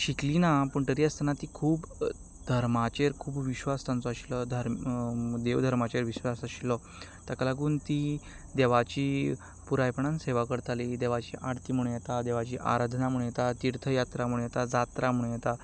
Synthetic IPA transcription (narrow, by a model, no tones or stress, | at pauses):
ɕiklinapuɳʈəɾiːast̪ənat̪ikʰuːp | d̪ʱəɾmat͡ɕeɾkʰuːpʋiɕʋast̪ãnt͡sɔaɕilɔd̪ʱəɾ | d̪eʋd̪ʱəɾmat͡ɕeɾʋiɕʋasaɕilɔ | t̪əkəlaɡuːnt̪i | d̪eʋat͡ɕiː | puɾajpɳanseʋakəɾt̪ʰaliːd̪eʋat͡ɕiːʔaɽt̪iːm̤uɳ̃ɽũjet̪ad̪eʋat͡ɕiːʔa̰ɾad̪ʱnamuɽ̃ũjet̪at̪iɾt̪ʰəjat̪ɾam̤uɽ̃jɛt̪ad͡zat̪ɾam̤uɽũjet̪a